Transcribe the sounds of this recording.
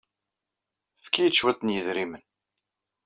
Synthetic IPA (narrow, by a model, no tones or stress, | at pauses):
fkːijəʃːwæt̪ːnjəðɾimən